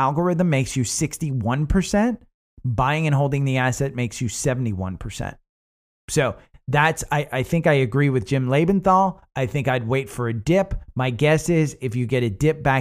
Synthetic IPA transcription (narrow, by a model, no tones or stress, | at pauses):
ælˠɡə˞ɪðə̃m̩ːeɪksjɨsɪkstiwʌ̃npʰə˞sɛ̃nt | b̥aɪɪ̃ŋɨ̃nɦoʊlˠdɪ̃ŋðiæsɛt̚meɪksjɨsɛvn̩tiwʌ̰̃npʰə˞sɛ̰̃nt̚ | soʊðætsaɪʔaɪθɪ̃ŋkaɪɨɡɹiwɨðd͡ʒɪ̃mleɪbɨ̃nθɔlˠ | ʔaɪθɪ̃ŋkaɪd̚weɪtfə˞ɨdɪpmaɪɡɛsɪzɨfjɨɡɛɾɨdɪp̚b̥æ